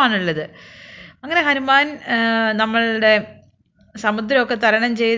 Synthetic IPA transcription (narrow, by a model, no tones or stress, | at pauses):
aːɳuɭːɐðɨ | ɐŋːɐne̞ɦɐnumaːnnɐmːɐɭɽe̞ | sɐmud̪ɾɐokːe̞t̪ɐɾɐɳɐmt͡ɕe̞j